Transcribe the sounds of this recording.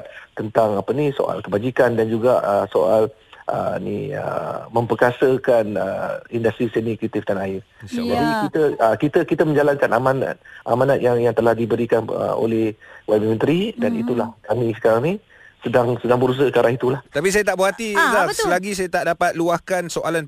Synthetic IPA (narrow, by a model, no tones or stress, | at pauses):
t̪̚t̪ənt̪aŋapəniso̰ʔa̰lkəbad͡ʒikandand͡ʒuɡaʔəsoʔalʔə̰nḭə̰mə̃mpəkasəkanə̰indast̪ɾisɛnikit̪ifdanaɪrd͡ʒaɾikit̪əəkit̪əkit̪əmə̃ɲd͡ʒalankanamana̰t̪̚ʔa̰manat̪̚jaŋjaŋt̪əlahdibəɾikanə̰o̰lɛhwammə̃nt̪ɾidanḭt̪ulahkamĩsə̥kaɾaŋni | sədaŋsədaŋbəɾus̬əəkaɾaŋit̪ulaht̪apis̬ajat̪aʔbəat̪isakəlaɡis̬ajat̪aʔdapat̪̚luahkansoʔalan